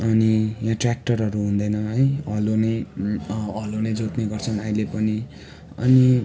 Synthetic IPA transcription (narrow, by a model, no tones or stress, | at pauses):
ʌnijãʈrak̚ʈʌrɦʌɾuɦũnd̪ʌjnʌʌjʌlonʌj | ʌlonʌjd͡zot̪neɡʌrt͡sʰʌnaĩlepʌni | ʌ̰ni